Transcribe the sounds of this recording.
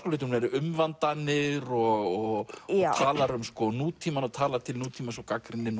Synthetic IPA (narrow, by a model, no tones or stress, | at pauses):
kolɪːt̪ɪhunɛɾʏmvant̪anɪɾɔɣɔt̪ʰaːlaɾʏmskɔnuːt̪ʰiːmanaðt̪ʰaːlat̪ʰɪlnuːt̪ʰiːmasɔkakɾɪnːɪn